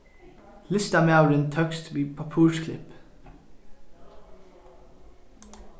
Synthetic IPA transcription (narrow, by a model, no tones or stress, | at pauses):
lɪst̪ɑmeɑʉɾɪnt̪ʰœkst̪ʰʋiːpʰɑpʰuːʃkʰlɪ̰p